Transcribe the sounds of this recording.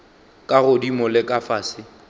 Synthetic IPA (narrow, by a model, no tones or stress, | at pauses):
kʼaɣʊdimʊlɪkʼafaːsɪ